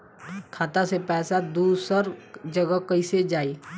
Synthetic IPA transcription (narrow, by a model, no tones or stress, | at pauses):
kʰaːt̪asepɛːsad̪uːsəɾd͡ʒəɡəkəised͡ʒaːiː